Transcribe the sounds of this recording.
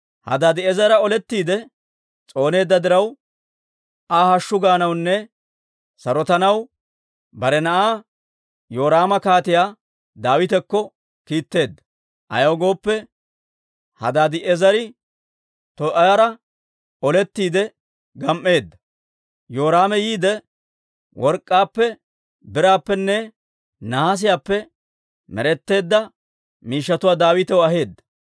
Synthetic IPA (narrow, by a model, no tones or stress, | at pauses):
hɐ̰d̪aːd̪ɪɛzɐɾɐɔlɛt̪ːiːd̪ɛ | t͡sʼo̞ːne̞ːd̪ːɐd̪ɪɾɐw | ʔahɐʃːʊɡaːnɐwnːɛ | sɐɾɔt̪ɐnɐw | bɐɾɛnɐʔaː | jo̞ːɾaːmɐkaːt̪ɪjaː | d̪aːwɪt̪ɛkːɔ | kiːt̪ːe̞ːd̪ːɐ̥ | ʔɐ̰jɐwɡo̞ːpːɛ | hɐ̰d̪aːd̪ɪʔɛzɐɾɪ | t̪ɔʔɐjɐɾɐ | ʔɔlɛt̪ːiːd̪ɛ | ɡɐmʔːe̞ːd̪ːɐ | jo̞ːɾaːmɛjiːd̪ɛ | wʔɔɾkʼːaːpːɛ | bɪɾaːpːɛnːɛ | nahas̬ɪjaːpːɛ | mɛ̰ɾɛt̪ːe̞ːd̪ːɐ | miːʃːɐt̪ʊwaːd̪aːwɪt̪ɛwɔɐɦe̞ːd̪ːɐ̥